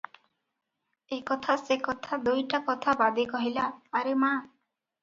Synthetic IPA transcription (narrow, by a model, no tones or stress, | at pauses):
ekɔt̪ʰasekɔt̪ʰad̪ujʈakɔt̪ʰabad̪ikɔɦilaːɾema